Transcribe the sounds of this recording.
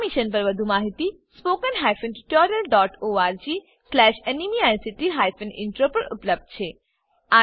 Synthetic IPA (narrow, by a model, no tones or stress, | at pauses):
miʃənp̬əɾʋəd̪ʱumaɦit̪i | spokənɦajfənʈiʈɔɾijəlɖɔʈoaɾd͡ʒi | slɛʃenimiajnsiʈiɦajfənɪ̰̃ɳʈɾopəɾṵpləb̚d̪̚t͡ʃʰe | a